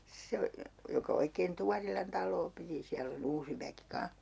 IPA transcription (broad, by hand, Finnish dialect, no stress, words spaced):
se o jokɑ oikeːn tuɑrilɑn tɑlˑoː piti siælː on uːsi ʋæki kɑ̃ːh